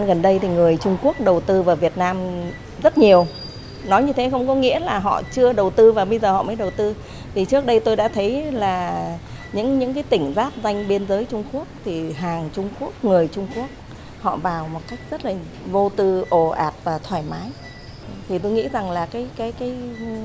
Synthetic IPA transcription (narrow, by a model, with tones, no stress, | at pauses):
nɣə˨˩nɗə˧jt̪ʰi˨˩ŋɨ˨˩əjt͡ɕʊ˧ŋ͡mku˦˥ək̚ɗə˨˩wt̪ɨ˧vaː˨˩wvi˨˩ət̚naː˧m | zə˦˥t̚ɲi˨˩əw | nɔ˨˦jɲɨ˧t̪ʰe˨˦xə˧wŋ͡mkɔ˨˦ŋḭ˧˥əlaː˨˩ɦɔ̰˧˨t͡ɕɨ˧əɗə˨˩wt̪ɨ˧vaː˨˩ɓə˧jzəː˨˩ɔ̰˧˨məː˨˦jɗə˨˩wt̪ɨ˧ | t̪ʰi˨˩t͡ɕɨ˦˥ək̚ɗə˧jt̪o˧jɗa̰ː˧˥t̪ʰə˨˦jlaː˨˩ | ɲɨ̰˧˥ŋɲɨ̰˧˥ŋkaː˨˦jt̪ï˧˩ŋ̟zaː˦˥t̚za˧jŋ̟ɓe˧nzəː˨˦jt͡ɕʊ˧ŋ͡mku˦˥ək̚t̪ʰi˨˩ɦaː˨˩ŋt͡ɕʊ˧ŋ͡mku˦˥ək̚ŋɨ˨˩əjt͡ɕʊ˧ŋ͡mku˦˥ək̚ | hɔ̰˧˨vaː˨˩wmo˨˩t̚ka˦˥jk̟̚z̥ə˦˥t̚laː˨˩ | vo˧t̪ɨ˧ʔo˧˩ʔaː˨˩p̚vaː˨˩t̪ʰwaː˧˩jmaː˨˦j | t̪ʰi˨˩t̪o˧jŋḭ˧˥za˨˩ŋlaː˨˩kaː˨˦jkaː˨˦jkaː˨˦j